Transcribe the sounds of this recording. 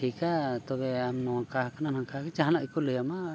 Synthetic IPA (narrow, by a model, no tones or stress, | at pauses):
ikat̪ɔbɛamːɔakahkananãŋkakɛt͡ʃaɦanaʔikɔləjama